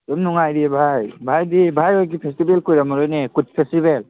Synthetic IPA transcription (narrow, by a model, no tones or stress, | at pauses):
tumnuŋajdibʱajbʱajdibʱajɔjk̬ipʰestibelkujɾamɔɾojnekud̚pʰestibel